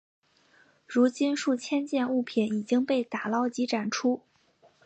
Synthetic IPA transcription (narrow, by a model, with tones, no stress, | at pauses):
ɻu˧˥t͡ɕi˥nʂu˥˩t͡ɕʰjɛ˥nt͡ɕjɛ˥˧nu˥˩pʰjɛ˧˨˩ni˨˩t͡ɕi˥ŋpe˥˩ɪt̪a˨˩lɑ˥ʊt͡ɕi˧˥ʈ͡ʂa˨˩nʈ͡ʂʰu˥